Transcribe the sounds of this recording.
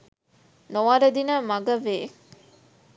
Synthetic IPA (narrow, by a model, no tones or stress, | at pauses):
noɐɾɐd̪inɐmɐɡɐʋeː